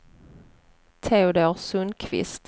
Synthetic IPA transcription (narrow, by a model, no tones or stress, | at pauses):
t̪ʰeːʊd̪oːɾsɵnkʰvɪ̰st̪